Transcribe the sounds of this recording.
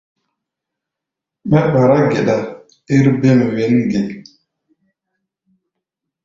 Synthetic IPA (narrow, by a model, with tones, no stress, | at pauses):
ma˦ɓa˨ɾa˦ɡe˨ɗa˨ | i˦ɾbe˦m˨we˨nɡe˨